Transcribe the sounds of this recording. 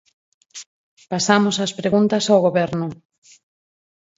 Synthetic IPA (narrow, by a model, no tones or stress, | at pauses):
pasamosɐspɾeɣunt̪ɐsawɣoβɛɾnʊ